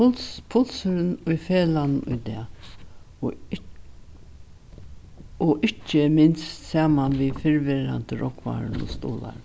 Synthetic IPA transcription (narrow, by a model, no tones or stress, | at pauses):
pʰʊlsəɾɪnʊjfeːlannʊ̰jd̪ɛ̰ː | ɔʔɪt͡ʃːəmɪnst̪saːmanʋifɪɹʋɪɾa̰nt̪əɾʔɔkʰʋa̰ɾnɔ̰st̪ṵːla̰ɾ